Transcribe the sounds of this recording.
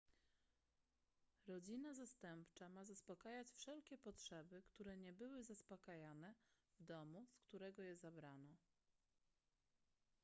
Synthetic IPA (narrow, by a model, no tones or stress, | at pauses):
ɾɔd͡ʑinazast̪ɛmpt͡ʂamazaspɔkajat͡ɕfʂɛlkʲɛpɔtʂɛbɘkt̪uɾɛɲɛbɘwɘzaspɔkajanɛ | vd̪ɔmuskt̪uɾɛɡɔjɛzabɾanɔ